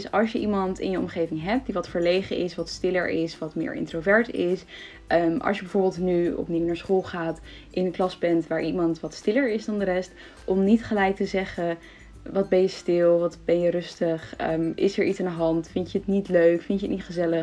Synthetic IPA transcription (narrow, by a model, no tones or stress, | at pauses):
sɑ̰lˠʃjəʔimɑntɪ̰njəɔ̰mχejvɪŋɦɛp̚diʋɑtfəɹlejχənʔɪsʋɑtstɪlə̰ɹɪsʋɑtmɪ̰ːɹɪ̰ntrovɛɹtɪs | əmɑ̰lˠsjəbɛjv̥oːɹbɪːlˠtnyɔ̰pniwnaːɹsχolˠχaːt | ʔɪnənklɑsbɛntʋaːɹʔimɑntʋɑtstɪləɹɪzdɑndəɾɛst | ʔɔmnitχəlɛjk̚təzɛχə | ʋɑd̚bɛjəstɪlˠʋɑtbɛnjərɵstəχə̰mʔɪ̰sɛɹʔitsandəɦɑntfɪnəətnitløɥkfɪnt͡ʃətnitχəzɛlə